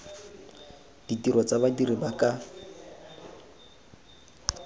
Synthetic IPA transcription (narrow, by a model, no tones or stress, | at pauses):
d̥itiɾɔt͡sabadiribakʼa